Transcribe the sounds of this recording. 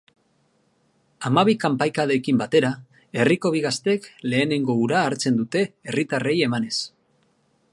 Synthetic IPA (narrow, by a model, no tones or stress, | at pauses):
amaβ̞ikampajkaðe̞kimbat̪e̞ɾa | e̞riko̞β̞iɣast̪e̞kle̞ːne̞ŋɡo̞uɾaːɾt͡se̞nd̪ut̪e̞ːrit̪are̞je̞mane̞s